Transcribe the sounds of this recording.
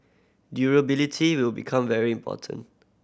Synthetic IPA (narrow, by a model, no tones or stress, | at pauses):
djuɹəbilitʰiwɪlbikʰãmvɛɹiĩmpʰɔ̰tʰə̰̃nt